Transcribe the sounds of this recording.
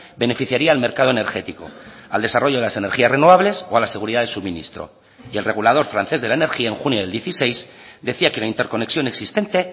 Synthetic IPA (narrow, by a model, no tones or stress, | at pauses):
be̞ne̞fiθjaɾiaːlme̞ɾkað̞oene̞ɾxe̞t̪iko̞̰ald̪e̞saro̞ʝoðelase̞ne̞ɾxiasre̞no̞βaβle̞so̞alase̞ɣ̞uɾiðaðelsuβminḭst̪ɾo̰ | ie̞lre̞ɣ̞ulað̞o̞ɾfɾanθe̞zðelaene̞ɾxiaeŋxunjo̞ð̞e̞ld̪je̞θise̞js | d̪e̞θiakelaint̪e̞ɾko̞ne̞ksjo̞ne̞ksist̪e̞nt̪e̞